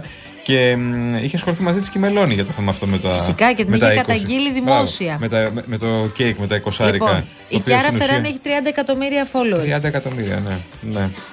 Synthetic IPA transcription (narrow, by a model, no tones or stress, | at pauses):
ce̞miçeɐsxo̞liθimɐzit̪i̥scime̞lo̞niʝɐt̪oθe̞mɐːft̪o̞met̪ɐfikɐcet̪inmeet̪eikɐk̪ɐɲɟiliðimo̞siɐme̞t̪ɐmme̞t̪ocejkme̞t̪ɐiko̞sɐɾipɐ | ipɐɾɐnfeɾɐneçi̥t̪ɾiɐnd̪ɐekɐt̪o̞miɾiɐfo̞loɾiɐd̪ɐekɐt̪o̞miɾiɐ̰nene